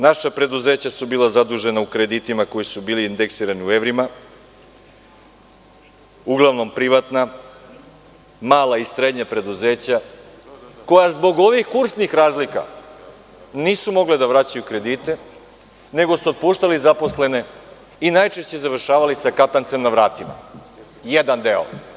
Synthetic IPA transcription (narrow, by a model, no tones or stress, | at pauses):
naʃapɾe̞d̪uze̞ːt͡ɕasubiːlazad̪uʒe̞naukɾe̞d̪it̪imako̞jisubiːliːnd̪eksiːɾaniue̞ʋɾima | uɡlˠaʋno̞mpɾiʋat̪na | maːlaisɾe̞d̪ɲapɾe̞d̪uze̞ːt͡ɕa | ko̞jazbo̞ɡo̞ʋixkuɾsnixɾaːzlika̰ | niːsumo̞ɡled̪aʋɾat͡ɕajukɾe̞d̪iːt̪e̞ | ne̞ɡo̞suot̪̚puːʃt̪alizapo̞sle̞ne̞ | inajt͡ʃe̞ʃt͡ɕe̞zaʋr̩ʃaːʋalisakat̪ant̪se̞mnaʋɾaːt̪ima̰ | jed̪and̪e̞o̰